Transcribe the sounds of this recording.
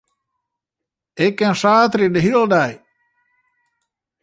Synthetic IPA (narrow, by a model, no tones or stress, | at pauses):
ekːɛnsaːt̪ɾidəɦildaj